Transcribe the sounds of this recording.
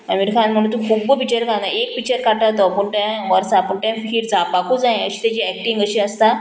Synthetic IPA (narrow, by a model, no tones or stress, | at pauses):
əmiʈkʰãnm̤əɽ̃ũnt̪ukʰubəpit͡ɕəɾkʰãnaek̚pik̚t͡ɕəɾkaʈat̪ɔpuɳʈãʋəɾsapuɳʈãfiːɾd͡zʱapakʰud͡zãj̃əɕi̥ːt̪at͡ɕiɛk̚ʈĩŋɡəɕiəst̪a